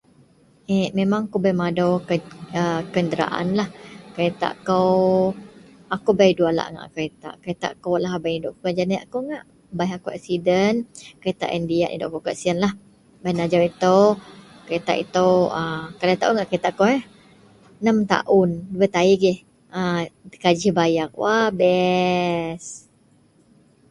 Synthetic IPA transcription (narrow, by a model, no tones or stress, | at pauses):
ɛmemaŋakobajmadowkəəkəndəɾa̰ʔa̰nlahkəɾet̪a̰ʔkow | akobajduala̰ʔŋa̰ʔkəɾet̪a̰ʔkəet̪a̰ʔkowlaɦbajidʊʔkpad͡ʒanajakoŋaʔ | bajakoʔɛ̰ksidənkəɾet̪a̰ʔɛndiaʔḭdo̰ʔkokasiənlah | bajnad͡ʒawit̪əw | kəet̪a̰ʔḭt̪əwəkalat̪aʔuŋaʔkəet̪aʔkowɛh | nəmt̪a̰ʔʊnwət̪aiɡɛh | əkad͡ʒihbajak̚wabɛ | s